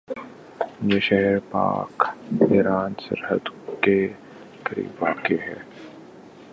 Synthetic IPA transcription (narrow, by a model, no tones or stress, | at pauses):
jeːʃɛɦɛɾpa̰ːkɪɾaːnsə̰ɾhə̰d̪ke | kəɾḭːʋaːkeɦɛ̰ː